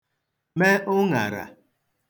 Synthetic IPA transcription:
me˦ʔʊ˦ŋa̰˨ɾa̰˨

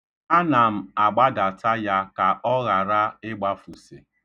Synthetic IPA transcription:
a˦na˨m̩˦a˨ɡ͡ba˦da˨ta˦ja˦ka˨ʔɔ˦ɣa˨ɾa˦ɪ˦ɡ͡ba˦fu˨si˨

